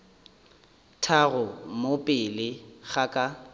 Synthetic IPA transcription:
tʰaɣʊmopʼɪlɪɣakʼa

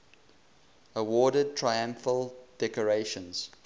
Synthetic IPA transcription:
əwɔːdəd̚tʰɹaɪãɱfəlˠd̥ɛkɔɹeʃə̃nz̥

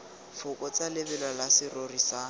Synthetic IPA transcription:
fʊkɔt͡salɪbɛlalasɪrorisa

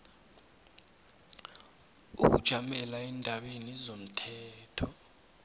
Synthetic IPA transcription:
uk̬ud̥ʒ̥ʱamɛlaɛndʱaɓenizom̩tʰɛːtʰɔ

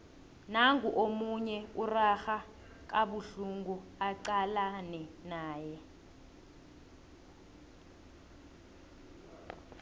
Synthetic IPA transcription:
naŋuʔomuɲɛuraxa | k̬aɓuɬuŋɡuaǃalanɛnaːjɛ

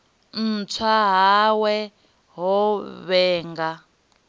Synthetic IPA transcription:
n̩t͡sʰwaɦawɛ | ɦɔβɛːŋɡa

